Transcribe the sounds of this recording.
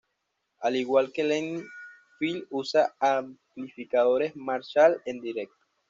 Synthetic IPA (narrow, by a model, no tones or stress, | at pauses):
aliɣwalkeleŋ | filusaamplifikaðo̞ɾe̞zmaɾʃale̞nd̪iɾe̞k̚t̪o̥